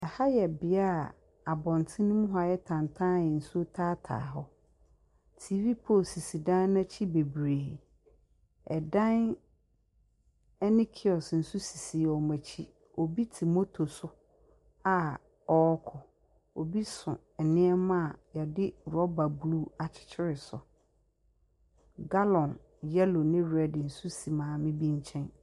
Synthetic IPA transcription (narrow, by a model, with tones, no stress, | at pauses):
ɛ˨ha˦jɛ˨bɪ˨˦a˦˨ | a˨bɔ̃˨ntʰɪ̃˦nʊ̃˦mũ˦ɦɔ˦a˨jɛ˦tʰã˨ntʰã˦˨jɛ˨n̩˨su˦o˦tʰaː˦tʰa̰ː˨ɦɔ˦ | tʰi˨vi˦pʰo˦˨si˨si˨dã˦nnã˦t͡ɕʰi˦be˨bɾeː˨ | ɛ˨dã˦n | ɛ˦nɪ̃˦kʰɪ˨ɔ˨sn̩˨su˦si˨si˨ɔ˨mã˨t͡ɕʰi˦ | o˨bi˦tʰi˨mo˦tʰo˨sʊ˦ | a˦˨ | ɔ˨˦kʰɔ˨ | o˨bi˦sʊ̃˨ | ɛ˨nɪ̃˦ɛ˦mã˦˨jɛ˨dɪ˦ɾɔ˦ba˨blu˦a˨t͡ɕʰɪ̥˨t͡ɕʰɪ˦ɾɪ˨sʊ̰˨ | ɡa˦lɔ̃˨n | jɛ˦lo˨nɪ̃˦ɾɛ˦dɪ˨n̩˨su˦si˨mãː˨mɪ̃˦bĩ˦ɲ̩˦t͡ɕʰɛ̃˦n